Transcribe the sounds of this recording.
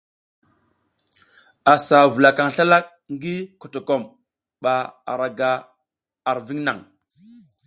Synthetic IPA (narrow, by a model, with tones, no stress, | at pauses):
a˨sa˨vu˨la˨ka˨ŋɬa˦la˦k̚ | ŋ˦ɡi˦ko˨to˨ko˦˨m | ɓa˨a̰˨ɾa˨ɡa˨ | a˨ɾvi˦ŋna˨ŋ